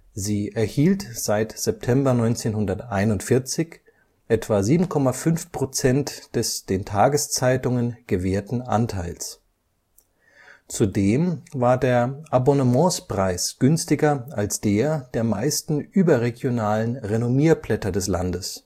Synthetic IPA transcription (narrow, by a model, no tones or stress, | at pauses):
ziːʔɛɐhiːltz̥aɪtz̥ɛp̚tʰɛmbɐnɔʏnt͡seːnhʊndɐtaɪnʊntfɪɐt͡sɪç | ʔɛtv̥aziːbm̩kʰɔmafʏnfpʁ̥ot͡sɛntd̥ɛsd̥eːntʰaːɡəst͡saɪtʊŋənɡ̥əveːɐtn̩ʔa̰ntʰaɪls | t͡sudeːmvaːɐdeːɐʔabɔnəmɔ̃ːspʁ̥aɪsɡ̥ʏnstɪɡɐalsd̥eːɐd̥eːɐmaɪstn̩ʔyːbɐʁeɡjonaːlənʁenomiːɐplɛtɐdɛsla̰ndəs